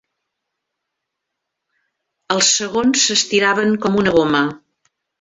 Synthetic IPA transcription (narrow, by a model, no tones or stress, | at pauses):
əlˠsəɣonsːəst̪iɾaβəŋkɔmunəɣomə